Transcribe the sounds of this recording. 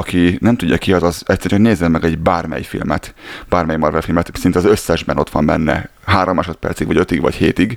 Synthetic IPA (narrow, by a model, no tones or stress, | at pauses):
ɒkinɛmt̪uɟːɒkiɒzɒzɛt̪sːɛɾoneːzːɛmːɛɡɛɟbaːrmɛ̰jfḭlmɛ̰t̪b̥aːrmɛjmɒrvɛlfilmɛt̪sint̪ɛɒzøsːɛʒbɛno̞t̪ʋɒmbɛnːɛ̰ | ɦaːɾomaːʃot̪̚pɛ̰rt̪siɡʋɒɟø̞t̪iɡʋɒ̰cheːt̪iɡ